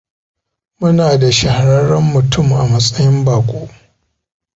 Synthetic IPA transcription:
mʊ˦naː˨da˨ʃɐ˨ha˨ɾɐ˦ɾɐ˦mːʊ˨tʰʊ˦˨mʔa˨mɐ˦sʼɐ˦jɪ˦mbaː˨kʷʼoː˦ʔ

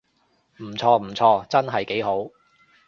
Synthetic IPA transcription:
m̩˨˩t͡sʰɔː˧m̩˨˩t͡sʰɔː˧t͡sɐ˥nɦɐ˨jke˨˥jɦo˨˥w

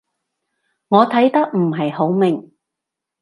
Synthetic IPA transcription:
ŋɔː˨˧t̪ʰɐ˨˥jt̪ɐ˥k̚m̩˨˩ɦɐ˨jho˨˥wmɪ˨˩ŋ

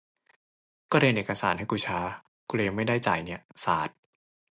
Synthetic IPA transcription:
kɔː˥˩ɾe˧ənʔeː˨˩ka˧saː˩˦nhɦa˥˩jkuː˧t͡ɕʰaː˧ | kuː˧leː˧ma˥˩jdaː˥˩jt͡ɕa̰ː˨˩jni˦˥ɐsa̰ː˨˩˦t̪̚

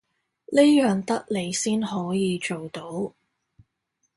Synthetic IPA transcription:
le˥jœː˨ŋt̪ɐ˥k̚le˨˧jsiː˥nhɔː˨˥jiː˨˧t͡ʃo˨wt̪o˨˥w

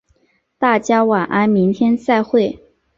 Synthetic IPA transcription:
t̪a˥˩t͡ɕja˥wa˨˩nʔa˥nmi˧˥ŋt̪ʰjɛ˥nsa˥˧ɪxwe˥˩ɪ

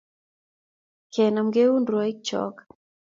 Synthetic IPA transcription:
kʰɛ˨na˨mɡe˦u˦ndɾwɔ˦i˦k̚t͡ʃɔ̰˦k

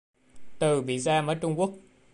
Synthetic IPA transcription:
t̪ɨ˨˩ɓḭ˧˨zaː˧məː˨˦jt͡ɕʊ˧ŋ͡mku˦˥ək̚

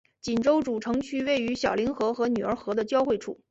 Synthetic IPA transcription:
t͡ɕi˨˩nʈ͡ʂo˥ʊʈ͡ʂu˨˩ʈ͡ʂʰɤ˧˥ŋt͡ɕʰy˥we˥˩ɪy˧˥ɕjɑ˨˩ʊli˧˥nxɤ˧˥xɤ˧˥ny˨˩ə˞˧˥xɤ˧˥d̪ə˧t͡ɕjɑ˥ʊxwe˥˧ɪʈ͡ʂʰṵ˥˩

